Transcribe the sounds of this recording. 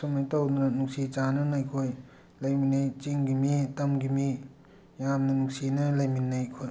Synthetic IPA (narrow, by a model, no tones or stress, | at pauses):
sumajtawdunɐnuksit͡ʃanɐnajkʰoj | lɐjminːajt͡ʃiŋɡimitɐmɡimi | jamnɐnuŋksinɐlɐjminːajkʰoj